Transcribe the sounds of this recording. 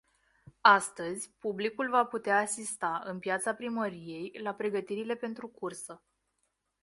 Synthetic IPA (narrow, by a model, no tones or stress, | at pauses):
ast̪əzʲpublikulvaput̪eaːsist̪aɨnpjat̪sapɾiməɾije̞jlapɾe̞ɡət̪iɾile̞pe̞nt̪ɾukursə